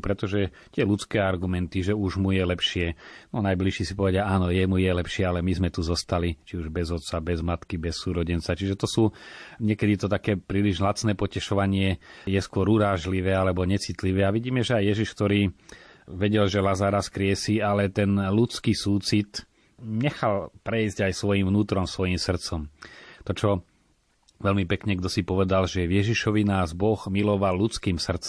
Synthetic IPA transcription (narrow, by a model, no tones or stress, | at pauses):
pɾɛt̪ɔʒɛ | t̪ɪɛlut͡skɛːaɾɡumɛnt̪iʒɛuʒmujɛlɛpʃɪɛnɔnajbliʃiːsipɔʋɛɟaaːnɔjɛmujɛlɛpʃɪɛalɛmizmɛt̪uzɔst̪alit͡ʃiuʒbɛzɔt̪t͡sabɛzmat̪kibɛsːuːɾɔɟɛnt͡sat͡ʃiʒɛt̪ɔsuːɲɛkɛd̪it̪ɔt̪akɛːpɾiːliʒɦlat͡snɛːpɔcɛʃɔʋaɲɪɛjɛskʊɔɾuɾaːʒliʋɛːalɛbɔɲɛt͡sit̪liʋɛːaʋiɟiːmɛʒɛajjɛʒiʃkt̪ɔɾiː | ʋɛɟɛlʒɛlazaːɾaskɾɪɛsiːalɛt̪ɛnlut͡skiːsuːt͡sit̪ | ɲɛxalpɾɛjzɟajsʋɔjimʋnuːt̪ɾɔmsʋɔjimsr̩t̪t͡sɔmt̪ɔt͡ʃɔ | ʋɛlmipɛkɲɛɡd̪ɔsipɔʋɛd̪alʒɛʋjɛʒiʃɔʋinaːzbɔɣmilɔʋalːut͡skiːmsr̩t͡s